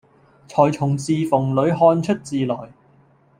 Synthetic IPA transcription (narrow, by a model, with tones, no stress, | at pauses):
t͡ʃʰɔː˨˩jt͡ʃʰʊ˨˩ŋt͡siː˧fʊ˨˩ŋlɵ˨˧ɥɦɔː˧nt͡ʃʰɵ˥t̚t͡siː˨lɔː˨˩j